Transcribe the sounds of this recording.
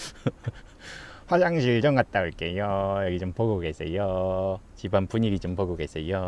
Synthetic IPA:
ɸwasaŋɕʰiɭd͡ʑʌŋkat̚t͈aoik͈ejojʌɡit͡ɕompoɡoɡes͈ejo | t͡ɕibanpuɲiɡit͡ɕompoɡoɡes͈ejo

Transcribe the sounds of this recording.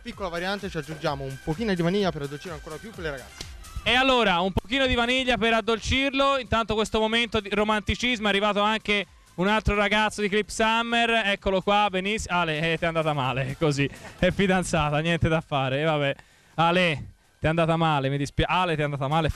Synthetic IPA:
pikːolavaɾjant̪et͡ʃiad͡ʒːund͡ʒaːmoumpokiːnod̪ivaniʎːapeɾad̪ːolt͡ʃiɾoaŋkoːɾapjupːelːeɾaɡat̪sːe̥ | ealːoːɾaumpok̟iːnod̪ivaniʎːapeɾad̪ːolt͡ʃirloint̪ant̪okwest̪omoment̪od̪iɾomant̪it͡ʃizmoɛarːivaːt̪oaŋke | unalt̪ɾoɾaɡat̪sːod̪iklipsamːeɾɛkːolokwabenisaleɛt̪ːɛand̪aːt̪amaːlekːoziɛfːid̪ant̪saːt̪anjɛnt̪ed̪afːaːɾevabɛ | aːle | t̪ɛand̪aːt̪amaːlemid̪ispjaʔalet̪ɛand̪aːt̪amaːle

